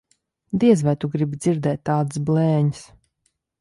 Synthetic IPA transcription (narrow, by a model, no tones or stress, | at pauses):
d̪iɛzvɛjt̪uɡɾibid̪z̥iɾd̪ɛːt̪ːaːd̪ɨsblˠɛːɲis